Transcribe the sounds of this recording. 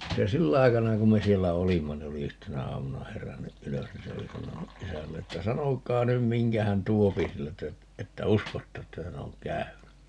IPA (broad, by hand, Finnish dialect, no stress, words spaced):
se silː ɑikɑnɑ kum me sielːæ olimːɑ ni oli yhtenæ ɑːmunɑ herænːyʔ ʔyløs ni se oli sɑnonuʔ ʔisælːeː tːæ sɑnokˑɑː nym miŋkæ hæn tuopi sieltæ etːæ uskotːɑ etːæ hæn oŋ kæyny